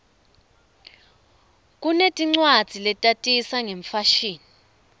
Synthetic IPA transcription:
k̬ʼunetʼiŋ͡ǀwad̥d͡z̥ʱilɛtʼatʼisaŋeɱfaʃiːni

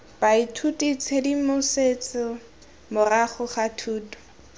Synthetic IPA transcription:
b̥aitʰutʼit͡sʰedimʊset͡sɪ | mʊraχʊχatʰuːdʊ̥

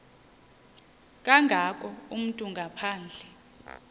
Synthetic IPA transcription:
k̬ʼaŋʱak̬ʼɔum̩tʼuŋɡʱapʰaːnd͡ɮʱɛ

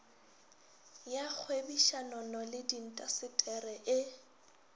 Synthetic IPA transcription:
jak͡xʰwebiʃanɔnɔlɪdin̩tʼasɪtʼɛrɛʔɪ

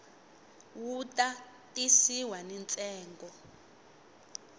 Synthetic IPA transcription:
wutʼa | tʼisiwanɛnt͡sʼɛːŋɡɔ

